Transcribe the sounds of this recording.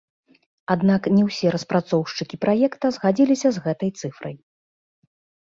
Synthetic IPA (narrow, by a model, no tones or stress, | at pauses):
ad̪naknʲɛwsʲɛɾɐspɾat̪sɔwʂt͡ʂɨkʲipɾajɛkt̪ɐzɣad͡zʲilʲisʲɐzɣɛt̪ɐjt̪sɨfɾɐ̰j